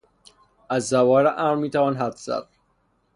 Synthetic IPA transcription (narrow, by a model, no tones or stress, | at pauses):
æzːævɒːɾeʔæmɾmiːt̪ʰævɒːnɦæt̪ʰz̥æ̰d̪̥̚